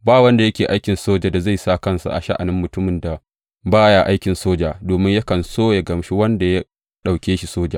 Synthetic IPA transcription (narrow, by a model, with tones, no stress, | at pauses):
baː˦˨wɐ˦nda˨jɐ˦kʲeː˨ʔa˦jkʲɪ˨nsoː˦d͡ʒa˨da˨za˦˨jsa˦˨kɐ˦˨nsa̰˨ʔa̰˨ʃa˦ʔa̰˨nɪ˦mːʊ˨tʊ˦mɪ˨nda˨ | baː˦ja˨ʔa˦jkʲɪ˨nsoː˦d͡ʒaː˨doː˨mɪ˦ɲja˦kɐ˨nsoː˦ja˨ɡɐ˨mʃi˦wɐ˦nda˨ja˦ | ɗa˨wkʲeː˦ʃi˨soː˦d͡ʒaː˨